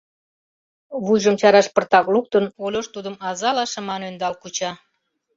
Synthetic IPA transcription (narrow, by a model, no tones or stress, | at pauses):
βujʒəmt͡ɕɑɾɑʃpərt̪ɑkluk̚t̪ənolʲoʃt̪ud̪əmɑzɑlɑʃə̆mɑnønd̪ɑlkut͡ɕɑ